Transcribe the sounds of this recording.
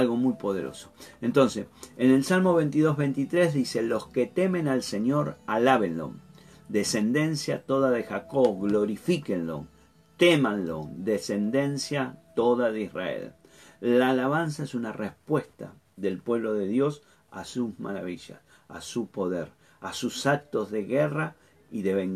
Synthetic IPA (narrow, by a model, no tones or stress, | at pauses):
alɣo̞mujpo̞ð̞eɾo̞̰soent̪o̞nsesene̞lsalmo̞β̞ent̪iðo̞ɦβejnt̪it̪ɾezðiselo̞sket̪e̞mẽ̞nalseɲjo̞ɾalaβenlo̰ | d̪ese̞nd̪e̞nsjat̪o̞ðaðexakoɣlo̞ɾifikenlo̰ | t̪emanlo̰d̪ese̞nd̪e̞nsjat̪oðaðeisra̰ḛl | laːlaβans̬aesunarehpwe̞st̪a̰ | ðe̞lpwe̞βlo̞ðe̞ðjo̞s | asuzma̰ɾaβiʒa̰s | a̰supo̞ðeɾ | asusak̚t̪o̞zðe̞ɣera | iðeβeŋ